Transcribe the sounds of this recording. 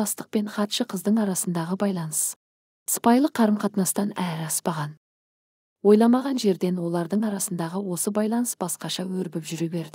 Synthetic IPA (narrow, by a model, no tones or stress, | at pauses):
ɑst̪əq̚pe̞ɴχɑt̪ʃəqʰəzd̪əɴɑɾɑsənd̪ɑʁəbɑjlˠɑnəs | sə̥pɑjlˠəqʰɑɾəmqʰɑt̪nɑst̪ɑnæɾɪɑspɑʁɑn | wo̞jlˠɑmɑʁɑnʒe̞ɾd̪e̞nwo̞lˠɑɾd̪əɴɑɾɑsənd̪ɑʁəwo̞səbɑjlˠɑnəsb̥ɑsqɑʃɑwɵɾbɪpʒʏɾebe̞ɾd̪ɪ